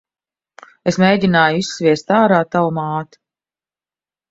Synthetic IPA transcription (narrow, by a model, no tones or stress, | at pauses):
esmʲejɟʲinaːjuisːvʲiɛst̪aːɾaːt̪awumaːt̪u̥